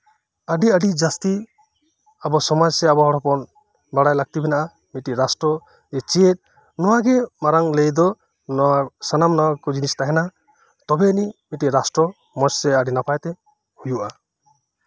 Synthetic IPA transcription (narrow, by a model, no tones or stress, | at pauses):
aɖiaɖid͡ʒast̪i | abɔsɔmad͡ʒseabɔɦɔɽɔpɔn | baɽajlaɡ̚t̪ibɛnaʔa | miʈiɾasʈɾɔ | et͡ʃiet̪̚ | nɔwaɡɛmaɾaŋlejd̪ɔ | nɔasanamnɔwakɔd͡ʒinist̪aɦɛna | t̪ɔbɛnimiʈiɾasʈɾɔ | mɔt͡ʃsɛaɖinapʰajt̪ɛ | hujuʔa